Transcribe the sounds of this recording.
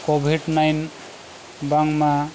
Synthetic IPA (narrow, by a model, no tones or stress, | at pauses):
kobʱiɖnajn | baŋma